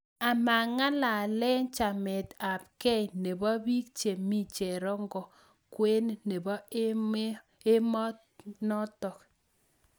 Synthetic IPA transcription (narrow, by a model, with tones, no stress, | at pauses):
a˨ma˨ŋa˦la˨lɛ˦nt͡ʃa˨mɪ˨ta˨pkɛ˦jne˨bɔ˦bi˦k̚t͡ʃe˨mi˦t͡ʃe˨ɾɔ˦ŋɡɔ˨ | kwe˦ne˨bɔ˦ | e˦mɔ˦ | nɔ˦tɔ˨k